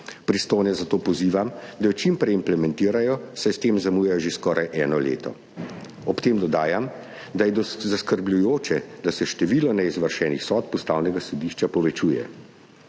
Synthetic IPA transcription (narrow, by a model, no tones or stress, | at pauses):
pɾist̪oːjnɛzat̪oːpɔziːʋamd̪ajɔt͡ʃimpɾɛimplɛmɛnt̪iːɾajɔsajst̪eːmzamuːjɛjɔʒeskɔːɾajʔɛːnɔlḛːt̪ɔ̰ | ɔpt̪eːmd̪ɔd̪aːjam | d̪ajɛd̪ɔzaskəɾblʲujoːt͡ʃɛd̪asɛʃt̪ɛʋiːlɔnɛizʋəɾʃɛːnixsɔːt̪̚pɔst̪awnɛɡasɔd̪iːʃt͡ʃapɔʋɛt͡ʃuːjɛ̰